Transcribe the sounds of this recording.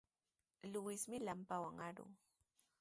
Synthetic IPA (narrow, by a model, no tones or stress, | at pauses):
lʊwɪsmɪlampawaŋaɾʊ̰ː